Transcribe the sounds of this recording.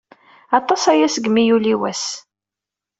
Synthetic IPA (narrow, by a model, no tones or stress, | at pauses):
ɑt̪ˤːɑsæjæsɡmijuliwæs